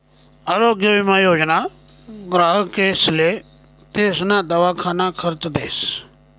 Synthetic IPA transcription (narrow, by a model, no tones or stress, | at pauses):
aːɾoːɡjəʋɪmaːjoːd͡ʒna | ɡɾaːɦkeːsle | t̪eːsnaːd̪ɐʋakʰaːnakʰəɾt̪d̪eːs